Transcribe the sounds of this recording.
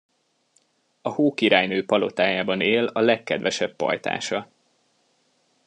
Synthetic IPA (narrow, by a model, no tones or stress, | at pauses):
ɒhoːkiɾaːjnøːpɒlo̞t̪aːjaːbɒneːlɒlɛkːɛd̪ʋɛʃɛpːɒ̰jt̪a̰ːʃɒ